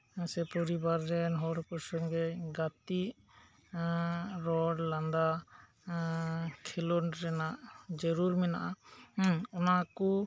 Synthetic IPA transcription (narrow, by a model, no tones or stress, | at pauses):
sɛpɔɾibaɾːɛnɦɔɾpɔɾsɔŋɡɛɡat̪iʔ | ɾɔɽland̪a | kʰɛlɔnɾɛnaʔd͡ʒɔɾuɾmɛna̰ʔa | ɔnakɔ